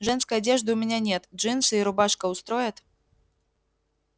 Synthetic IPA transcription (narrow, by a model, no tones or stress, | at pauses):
ʐɛnskɐjad͡zʲɛʐd̪ɨumʲanʲanʲɛt̪ʐɨnsɨiɾʊbaʂkɐwst̪ɾɔjɐt̪